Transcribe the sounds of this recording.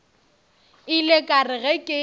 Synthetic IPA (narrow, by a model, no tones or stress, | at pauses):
ɪlekʼarɪɣɛkʼɪ